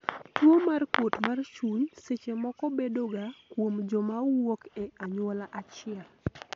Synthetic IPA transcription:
twomarkwotmart͡ʃuɲset͡ʃemɔkɔbedoɡakwomd͡ʒɔmawokeaɲwɔlaʔat͡ʃɪɛl

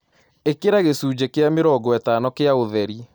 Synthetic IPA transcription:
ekeɾaɣesuːd͡ʑekeameɾɔɡɔɛtaːnɔkeaoðɛɾi

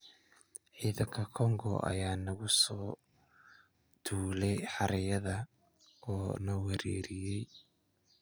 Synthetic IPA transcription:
ʕiːðɐŋkʰɐkʰɔŋɡɔ̰ʔɐ̰jaːnɐɣʊsɔː | d̪ʰuːlɛjħɑɾɐjɐðɐ | ɔːnɔwɛɾɛːɾɪjɛj

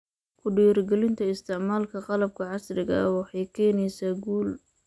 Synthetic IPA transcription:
kʰʊɖiːrɡɛlɪnt̪ʰɐɪst̪ʰɪʕmaːlkʰɐqɑlɐb̚kʰɐʕɑsrɪɣɐɐwɑħɑjkʰɛːnɛjsaːɡuːl

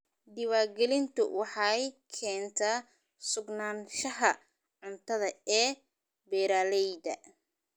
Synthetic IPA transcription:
d̪ɪwaːɡɛlɪnt̪ʰʊ̰wɑħɑjkʰɛːnt̪ʰaː | sʊɡnaːnʃɐɦɐ | ʕʊnt̪ʰɐðɐɛː | bɛːɾaːlɛjdɐ̰

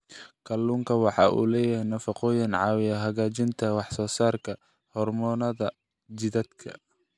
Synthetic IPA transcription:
kʰɐluːŋkʰɐwɑħɑ̰ːʔṵːlɛːjɪhɛjnɐfɑqɔːjɪnʕɑːwɪjɐɦɐɣaːt͡ʃɪnt̪ʰɐwɑħsɔːsaːrkʰɐ | hɔrmɔːnɐðɐ | t͡ʃɪðɐd̪kʰɐ̰

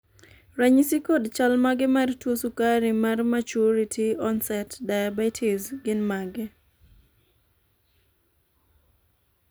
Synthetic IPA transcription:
ɾaɲisikodt͡ʃalmaɡɪmartwosukaɾimarmat͡ʃuɾitʰiɔnsɛtdajabatʰizɡɪnmaɡɛ

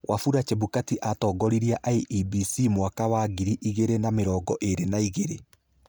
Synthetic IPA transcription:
wʔafuɾat͡ʃeβukatiʔatɔːɡɔɾiɾiaʔaiʔibisimwakawaːɡiɾiʔiɣeɾenameɾɔːɡɔʔeɾenaiɣeɾe

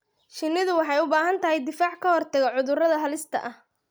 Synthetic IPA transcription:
ʃɪnːɪðʊwɑħɑjʊbaːɦɐnt̪ʰɐɦɛjd̪ɪfaːʕkʰɐhɔrt̪ʰɐɣɛʕʊðʊrɐðɐɦɐlɪst̪ʰɐ̰ʔɐh

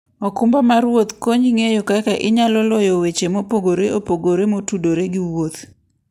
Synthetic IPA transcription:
ɔkumbamaɾwot̪koɲiŋejokakaʔɪɲalɔlɔjɔwet͡ʃemopoɡoɾeʔopoɡoɾemotudoɾeɡɪwot̪

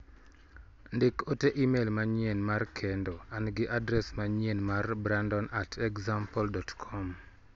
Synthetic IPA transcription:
ndɪkoteʔimelmaɲienmarkʰɛndoanɡɪʔadɾɛsmaɲenmarbɾandɔnatʰɛkzampɔldɔtkʰɔm

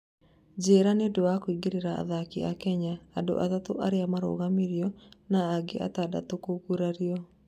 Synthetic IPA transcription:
d͡ʒeɾanedoakwiɡeɾeɾaa̰ðakia̰kɛɲaːdo̰ʔa̰tatoʔaɾeamaɾo̰ɣamiɾjɔnaːɡḛʔa̰tada̰tokokuɾaɾiɔ

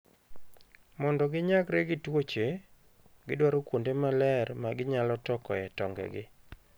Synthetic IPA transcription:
mɔndɔɡɪɲakɾeɡɪtwot͡ʃe | ɡɪdwaɾokwondemalɛrmaɡɪɲalɔtɔkɔ̰ɛtɔŋɡɛ̰ɡɪ

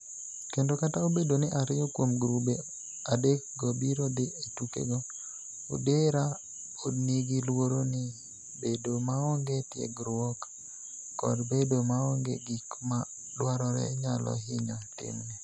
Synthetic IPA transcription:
kendokataobedonɪʔaɾɪjɔkwomɡɾube | adek̚ɡɔbiɾɔd̪ɪetukḛɡɔ | o̰deɾa | odniɡilwoɾonɪ | bedomaɔŋɡetjḛɡɾwɔkː | ɔ̰dbedomaɔŋɡḛɡikma | lwaɾɔɾɛ̰ɲalɔ̰ɦɪɲɔtɪ̰mnɛ

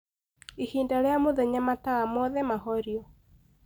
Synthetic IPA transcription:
ihiːndaɾeamoðɛɲamataɣamɔðɛmahɔɾiɔ

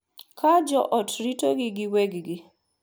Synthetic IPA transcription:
kʰad͡ʒɔʔɔtɾitoɡɪɡɪwɛɡɡɪ

